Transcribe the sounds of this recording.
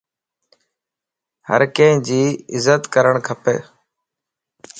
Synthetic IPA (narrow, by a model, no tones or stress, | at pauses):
hə̰ɾkẽːɪ̃d͡ʒiːɪzət̪kəɾəɳkʰəpḛː